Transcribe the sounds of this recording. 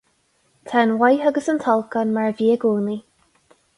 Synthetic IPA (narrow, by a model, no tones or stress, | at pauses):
t̪ʰanwajɦəɡəsəntʰɔlˠkənmaɹviːəɡuːni